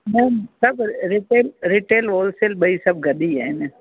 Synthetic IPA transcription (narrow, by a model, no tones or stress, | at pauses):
nɛ̃ːsɐbɾɪʈeːlɾɪʈeːloːlselɓəisɐb̚ʱɡɐɗ̪iɦaɪn